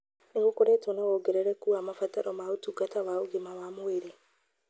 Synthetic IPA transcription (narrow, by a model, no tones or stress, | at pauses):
neɣokoɾɛtonaɣoɡeɾɛɾɛkuamafataɾɔmaotuɡatawaoɡemawamoeɾe